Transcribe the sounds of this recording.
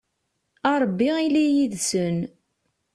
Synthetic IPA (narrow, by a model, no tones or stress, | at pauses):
ɑɾˤbːiilijiðsən